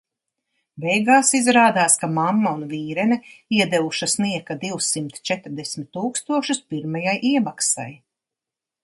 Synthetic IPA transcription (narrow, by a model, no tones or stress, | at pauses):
bɛjɡaːsizɾaːd̪aːskamamːaunviːɾɛnɛiɛd̪ɛvuʃasniɛkad̪iwsimt̪t͡ʃɛt̪ɾd̪ɛsmʲɪt̪ːuːkst̪uɔʃuspiɾmajajʔiɛmaksa̰j